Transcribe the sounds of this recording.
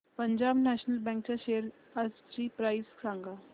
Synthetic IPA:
pəɲd͡ʑaːbnɛʃnəlbɛ̃ŋk̚t͡ɕaʃejəɾ | ast͡ɕipɾaːjskʰɾãːŋɡa

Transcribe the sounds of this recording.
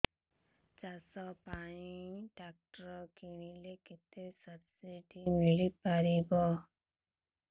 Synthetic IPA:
t͡ʃasɔpãiɖak̚ʈɾɔkiɽ̃ileket̪esʌɾsiʈimiɭipaɾibɔ

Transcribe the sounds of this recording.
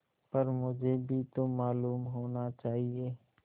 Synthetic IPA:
pəɾmʊd͡ʒʱebʱit̪omaːluːmɦoːnat͡ʃaːɦieː

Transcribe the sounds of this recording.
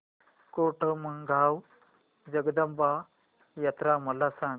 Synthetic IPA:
koʈʰəməŋɡʱaw | d͡ʑəɡd̪əmba | jɐt̪ɾaməlasã

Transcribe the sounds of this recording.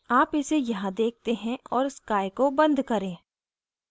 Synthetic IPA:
aːpɪsejɐɦãd̪eːk̚ʰt̪eɦɛ̃ɔːɾskaːjkobɐ̃nd̪ʱkɐɾẽː

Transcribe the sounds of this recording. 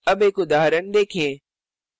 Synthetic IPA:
ɐbekʊd̪aːɦɾənd̪eːkʰiẽː

